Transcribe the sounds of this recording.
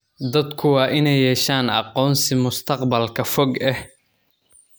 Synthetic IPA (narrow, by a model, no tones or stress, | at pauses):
d̪ɐd̪kʰʊwɑːʔɪnɛjːɛːʃaːnɑ̰qɔːnsɪmʊst̪ʰɐqbɐlkʰɐfɔɡɛh